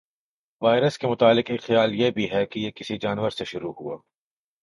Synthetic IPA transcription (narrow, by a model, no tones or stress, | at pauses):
ʋaːɪɾəskemʊt̪aːlɪqeːkxjaːljebʱiɦɛkijekɪsid͡ʒaːnʋəɾseʃʊɾuhṵaː